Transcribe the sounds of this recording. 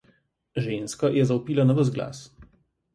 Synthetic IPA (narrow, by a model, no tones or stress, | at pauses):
ʒenskajɛzɐupiːlanɔʋəzɡla̰s